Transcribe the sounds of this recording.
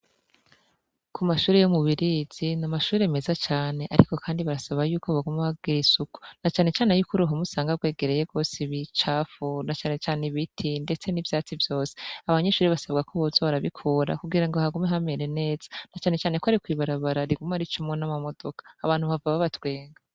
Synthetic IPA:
kʰumaʃuːɾejomuβiɾiz̥inamaʃuːɾeme̞zat͡ʃaːne̞ʔaɾiko̞kʰaːndiβaɾasaβajuːko̞βaɡumehaɡ̥iɾisuku̥nat͡ʃaːne̞t͡ʃaːnejuːkuɾuɦomusaːŋɡaɡwe̞ːɡe̞ɾe̞jeɡo̞ːsiβit͡ʃaːfunat͡ʃaːne̞t͡ʃaːniβitʰinde̞t͡se̞nivjaːt͡sivjo̞ːse̥aβaɲe̞ʃuːɾiβasab̚ɡakoβozoβaɾaβikʰoɾa̰kuɡiɾaŋɡohaɡumeɦameɾe̞ne̞ːz̥ḁnat͡ʃaːne̞t͡ʃaːnekoaɾikwiːβaɾaβaɾaɾiɡumaɾit͡ʃumŋonamamo̞d̥o̞kḁːβaːn̥huβavaβaβatwe̞ːŋɡa

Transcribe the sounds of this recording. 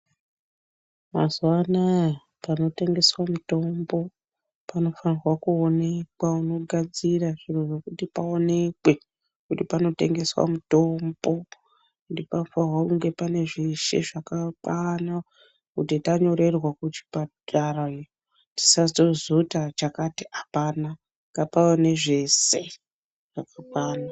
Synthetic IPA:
ma̰zuwana | pano̞te̞ŋɡe̞swamuto̞mbo̞ | pano̞fanirwakuone̞kwauno̞ɡʱad͡ziraʐin̤unekutipaone̞kwe̞ | kutipano̞te̞̰ŋɡe̞swa̰muto̞mbo̞ | ndipanofanrwakuŋɡe̞pane̞ʐiʃḛʐakakwana | kutitaɲo̞ɾe̞rwakut͡ʃi̥patarai | ti̥sazozutat͡ʃakatiʔapana | ŋɡapawane̞ʐe̞se | ʐ̥akakwaːna

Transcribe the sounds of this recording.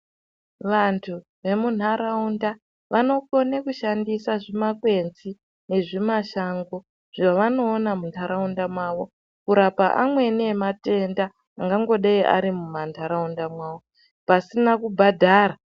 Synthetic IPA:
ʋantʰu | ʋe̞mun̤aɾaunda | ʋano̞ko̞nekuʃandisaʐimakwe̞nzi | ne̞ʐimaʃaŋɡo | ʐ̥aʋano̞ːnamuntʰaɾaundamwaːʋo̞ | kuɾapaʔamwe̞niemate̞ndaː | ŋɡaŋɡo̞ɗaiʔa̰ɾimumantʰaɾaundamwaːwo | pasinakubʱadʱaːɾa

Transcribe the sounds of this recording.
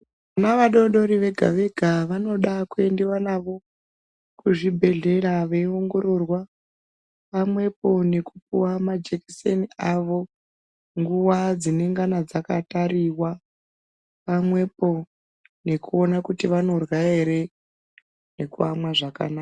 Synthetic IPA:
ʋanaʋaɗo̞ɗo̞ɾiʋe̞ɡʱa̰ʋe̞ɡʱaʋano̞ɗakue̞ndiwanaʋo̞ | kuʐibʱe̞ɮe̞ɾaʋeio̞ŋɡo̞ɾo̞rwa | ʋamwe̞po̞ne̞kup̚uwamad͡ʒeki̥seniaʋo̞ | ŋɡuwad͡zine̞ŋɡanad͡zakataɾiwa | pamwe̞po̞ | ne̞kuo̞nakutiʋano̞rwaeɾe | ne̞kuamwaʐaka̰naːa

